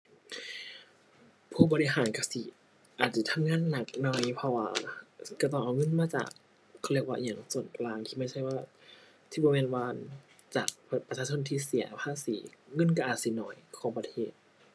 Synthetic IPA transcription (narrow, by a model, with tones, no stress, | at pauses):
pʰuː˧˩˨bɔː˧i˧ɦaː˨˦nka˧˩si˧˦ | ʔaː˨˩t̪̚sa˧˩t̪ʰa˧˥mŋaː˧˥˨nːa˧˩k̚nɔ˧˩jpʰɔ˧waː˧ka˧˩t̪̬ɔː˧˩ŋʔa˧˨wŋɤ˧˥˨nmaː˧˥t͡ɕa̰ː˨˩kʰː | li˧˩ək̚waː˧˨ɲa˨˧˩ŋsu˨˩nklaː˧ŋt̪ʰiː˧˩ma˧˩˨jt͡ɕʰa˧˥˩jwaː˧˩ | t̪ʰiː˧˩bɔː˧me˧˥˨nwaː˧n | t͡ɕa̰ː˨˩k̚pa˧sʰaː˧sʰo˧˥˨nt̪ʰiː˧si˨˦ɐpʰaː˧˨siː˨˦ŋɤ˧˥˨nka˧˩ʔaː˨˩si˧˦nɔ̰ː˧˩˦jkʰɔː˨˦ŋpa˧t̪ʰeː˧˩t̪̚